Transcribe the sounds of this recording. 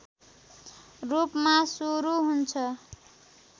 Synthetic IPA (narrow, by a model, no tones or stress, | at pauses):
rupmasuɾuɦunt͡sʰʌ